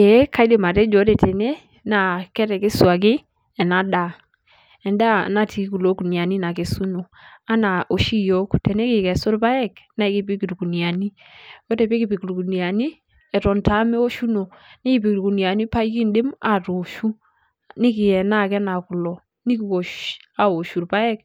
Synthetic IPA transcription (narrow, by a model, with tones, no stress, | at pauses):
ɛ˨˦ka˦jde˨ma˨tɛ˦d͡ʒo˨˦tɛ˨te˨ne˦ | na˨kɛ˦ɾɛ˨ke˦swa˨k̬ɪ˦ | ɛ˨na˨da˨ | ɛ˨nda̰˦˨na˦ti˨ki˦ku˨lo˨˦ku˨ni˨a˨ni˦na˨ke˨su˦no˨a˦na˨ʔo˨ʃi˦jo˦ktɛ˨ne˦kɪ˨kɛ˨sʊ˦ɾpa˦ɛ˦˨k̚na˦ki˦pi˦ki˨ɾku˨ni˨a˨ni˦ | ko˦tɛ˨pe˦kɪ˨pi˨ku˨ɾku˨nja˨ni˦ | ɛ˨tɔ˨nta˨˦me˦o˦ʃu˦no˨nɪ˦kɪ˨pi˨kɾku˨ni˨a˨ni˦pa˦ki˦ndɪ˦ma˦˨to˨ʃu˦ | nɪ˦kɪ˨jɛ˨na˦˨kɛ˦na˨ku˨lɔ˨ | ni˦ki˨ko˨ʃa˦o˨ʃu˨ɾpa˦ɛ˦k̚